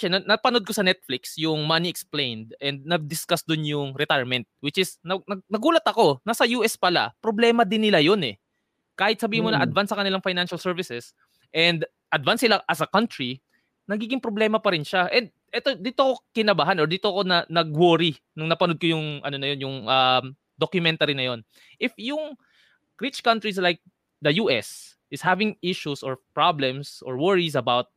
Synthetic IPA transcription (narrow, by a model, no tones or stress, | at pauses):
ʃɛnɐnɐpɐno̞d̪̚ko̞sɐnɛt̪̚flɪksjʊŋmɐniʔɛksplejnd̪̚ʔɛnd̪̚nɐɡ̚d̪ɪskasd̪ʊnjʊŋɾɛt̪ajɹmɛnt̪̚wɪt͡ʃɪsnɐnɐɡ̚nɐɡuːlɐt̪ɐko̞nɐsɐjuːʔɛspɐla̰pɾoblɛːmɐd̪ɪnːɪlajo̞nɛ̰ | kaːhɪt̪̚sɐbiːhɪmonɐʔɐd̪vansːɐkɐnɪlaŋfajnanʃɐlsɛɹvɪsɛs | ʔɛnd̪ | ʔɐd̪vansɪlaʔɐsɐkɐnt̪ɹi | nɐɡiːɡɪŋpɾoblɛːmɐpɐɾɪnʃaʔɛnd̪̚ʔɛt̪od̪it̪okokɪnɐbaːɦanoɹd̪it̪oko̞nɐnɐɡ̚woːɾi | nʊŋnɐpɐnod̪̚kojʊŋʔɐ̰no̞nɐjo̞njʊŋʔam | d̪okjʊmɛnt̪aɾinɐjo̞n | ʔɪfjʊŋ | ɹɪt͡ʃkɐ̃nt̪ɹis̬lajk̚ | d̪ɐjuːʔɛ̰s | ʔɪshavɪŋɪʃusoɹpɹablɛmsʔoɹwɛɹis̬ɐbawt̪̚